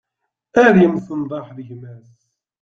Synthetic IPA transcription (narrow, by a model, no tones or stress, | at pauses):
æɾjəmsənd̪ˤɑħðəʝmæs